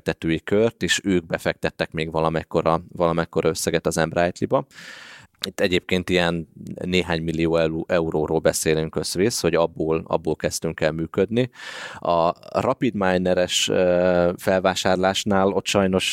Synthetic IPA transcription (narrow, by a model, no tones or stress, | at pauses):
t̪ɛt̪øːjikørt̪eːʃøːɡ̚bɛfɛk̚t̪ɛt̪ːɛkmeːɡvɒlɒmɛckːo̞ɾɒvɒlɒmɛckːo̞ɾɒø̞sːɛɡɛt̪ɒzɛmbraːjt̪libɒ | it̪ːɛɟeːp̚keːnt̪ijɛnneːɦaːɲmilːijoːɛʔɛuɾoːɾoːlbɛseːlyŋkøz̥ʋeːsho̞ɟɒbːoːlɒ̰bːoːlkɛst̪yŋkɛlmyːkød̪niɒrɒpid̪maːjnɛɾɛʃøfɛlvaːʃaːrlaːʃnaːlo̞t̪ʃɒjno̞ʃ